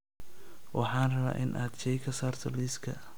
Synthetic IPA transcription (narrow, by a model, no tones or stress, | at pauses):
wʔɑħɑːnrɐβa̰ːʔɪnʔaːd̪t͡ʃɛjkʰɐsaːrt̪ʰɔliːskʰɐ̰